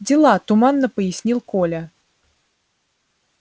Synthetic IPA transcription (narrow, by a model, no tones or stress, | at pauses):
d͡zʲɪlˠat̪umanːəpəjisʲnʲilˠkɔlʲɐ